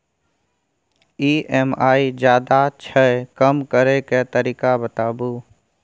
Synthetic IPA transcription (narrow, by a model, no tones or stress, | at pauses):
iːɛmaːid͡ʒjaːd̪at͡ʃʰəekəmkəɾeket̪əɾiːkabət̪aːbuː